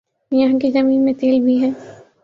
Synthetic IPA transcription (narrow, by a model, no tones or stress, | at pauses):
jɐɦãkid͡ʒɐmĩːnmẽt̪eːlbʱiɦɛ̃ː